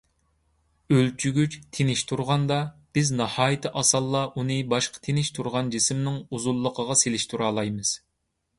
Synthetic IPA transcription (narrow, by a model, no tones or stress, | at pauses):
ølt͡ʃʰyɡʲyt͡ʃt̪ʰenɪʃt̪ʰuɾʁɑnd̪ɑb̥ɪznɑhɑːjɪt̪ʰɨʔɑsɑlˠːɑʔunɨbɑʃqʰɑ̥t̪ʰenɪʃt̪ʰuɾʁɑnd͡ʒisɪmnɪŋuzulˠːəqʰəʁɑselɪʃt̪ʰuɾɑːlˠɑjmɨz̥